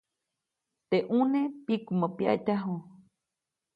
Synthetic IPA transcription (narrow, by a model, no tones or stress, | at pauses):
t̪eʔũnẽpikumãpia̰t̪aɦo